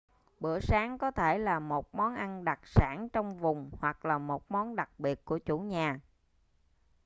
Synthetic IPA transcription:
ɓɨ˧˩əsaː˨˦ŋkɔ˨˦t̪ʰe˧˩laː˨˩mo˨˩t̚mɔ˨˦nʔa˧nɗa˨˩t̚saː˧˩nt͡ɕɔ˧wŋ͡mvʊ˨˩ŋ͡mhwa˨˩k̚laː˨˩mo˨˩t̚mɔ˨˦nɗa˨˩k̚ɓi˨˩ət̚ku˧˩ət͡ɕu˧˩ɲaː˨˩

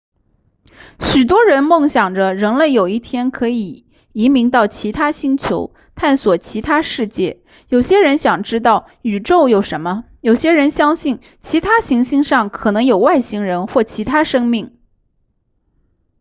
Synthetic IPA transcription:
ɕy˨˩t̪̬wɔ˥ɻə˧˥nmɤ˥˩ŋɕjɑ˨˩ŋʈ͡ʂə˦ɻə˧˥ŋle˥˩ɪjo˨˩ʊi˥˩t̪ʰjɛ˥nkʰɤ˧˥i˨˩ | i˧˥mi˧˥ŋt̪ɑ˥˩ʊt͡ɕʰi˧˥t̪ʰa˥ɕi˥ŋt͡ɕʰjo̰˧˥ʊ | t̪ʰa˥˩nswɔ˨˩t͡ɕʰi˧˥t̪ʰa˥ʂɻ̩˥˧t͡ɕjɛ̰˥˩ | jo˨˩ʊɕjɛ˥ɻə˧˥nɕjɑ˨˩ŋʈ͡ʂɻ̩˥t̪̬ɑ˥˩ʊ | y˨˩ʈ͡ʂo˥˧ʊjo˨˩ʊʂə˧˥nmə˧ | jo˨˩ʊɕjɛ˥ɻə˧˥nɕjɑ˥ŋɕi˥˩n | t͡ɕʰi˧˥t̪ʰa˥ɕi˧˥ŋɕi˥˧ŋʂɑ˥˩ŋkʰɤ˨˩nɤ˧˥ŋjo˨˩ʊwa˥˩ɪɕi˥ŋɻə˧˥nxwɔ˥˩t͡ɕʰi˧˥t̪ʰa˥ʂɤ˥ŋmi˥˩ŋ

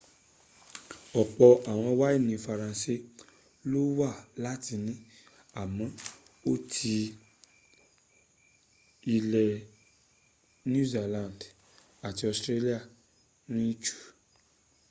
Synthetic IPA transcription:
ɔ˨k͡pɔ˧a˨w̃ɔ̃˧˦wa˦i˦˨nĩ˨˧fa˧ɾã˧se˦ | lo˦wa˦˨la˦ti˧nĩ˨˦ | a˨mɔ̃˨˦ | o˦tʰi˧ | i˧lɛ˧ | nũ˦ze˨lã˨nd | a˨ti˧˦ɔ˧˨stɾe˧li˦a˦˨ | nĩ˦t͡ʃu̥˦˨

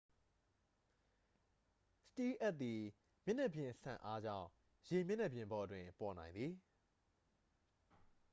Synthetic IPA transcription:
sə̥ti˦ʔɛ˦t̪̚t̪i˨ | mjɪ̃˦˨nɛ˦ʔbjɪ̃˨ʔsʰã̰˨ʔa˦d͡ʑã̰˦˨ʊ̃ | je˨mjɪ̃˦˨nɛ˦˨bjɪ̃˨mbɔ˨dwɪ̃˨pɔ˨nã˨ɪ̃nd̪ði˨

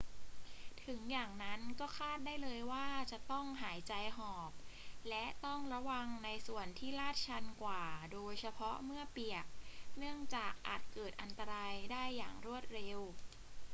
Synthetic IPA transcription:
t̪ʰɯ˩˦ŋjaː˨˩ŋna˦˥nkɔː˥˩kʰaː˥˩t̪̚daː˥˩jlɤː˧jwaː˥˩t͡ɕa˨˩t̪ɔ˥˩ŋɦaː˩˦jt͡ɕa˧jɦɔː˨˩p̚lɛ˦˥ʔt̪ɔ˥˩ŋɾa˧wa˧ŋna˧jsu˨˩ənt̪ʰiː˥˩laː˥˩t̪̚t͡ɕʰa˧nkwaː˨˩doː˧jsʰa˧pʰɔ˦˥mɯ˥˩əpi˨˩ək̚nɯ˥˩əŋt͡ɕaː˨˩k̚ʔa̰ː˨˩t̪̚kɤː˨˩t̪̚ʔa˧nt̪a˧ɾaː˧jdaː˥˩jːaː˨˩ŋɾu˥˩ət̪̚ɾe˧w

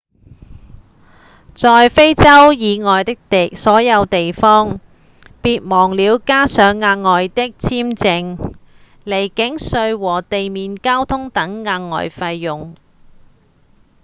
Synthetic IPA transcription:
t͡sɔː˨˧jfe˥jt͡sɐ˥wjiː˨˧ŋɔː˨jt̪ɪ˥k̚t̪e˨sɔː˨˥jɐ˨˧wt̪e˨jfɔː˥ŋ | piː˧t̚mɔː˨˩ŋliː˨˧wkaː˥sœː˨˥ŋːaː˧ŋŋɔː˨jt̪ɪ˥k̚t͡sʰiː˥mt͡sɪ˧ŋ | le˨˩jkɪ˨˥ŋsɵ˧ɥwɔː˨˩t̪e˨jmiː˨nkaː˥wt̪ʰʊ˥ŋt̪ɐ˨˥ŋːaː˧ŋːɔ̰ː˨˩jfɐ˧jːʊ˨ŋ

